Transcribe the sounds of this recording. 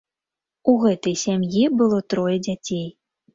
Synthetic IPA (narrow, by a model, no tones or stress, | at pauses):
uɣɛt̪ɐjsʲamjibɨlˠɔt̪ɾɔjɛd͡zʲat͡sʲej